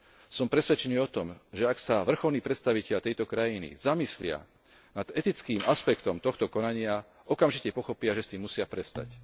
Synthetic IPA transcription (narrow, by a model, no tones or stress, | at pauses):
sɔmpɾɛsʋɛt͡ʃɛɲiɔt̪ɔmʒɛaksaʋr̩xɔlniːpɾɛt̪st̪aʋicɛʎt̪ɛjt̪ɔkɾajinḭzamislɪa̰ | nad̪̥ɛt̪it͡skiːmaspɛkt̪ɔmt̪ɔxt̪ɔkɔnaɲɪa | ʔɔkamʒicɛpɔxɔpɪaʒɛst̪iːmːusɪapɾɛst̪a̰c